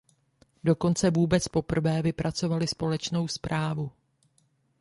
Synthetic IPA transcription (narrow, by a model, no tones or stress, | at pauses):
do̞ko̞nt͡sɛvuːbɛt͡spo̞pr̩vɛːvɪpɾat͡so̞valɪspo̞lɛt͡ʃno̞wspɾʔaːvu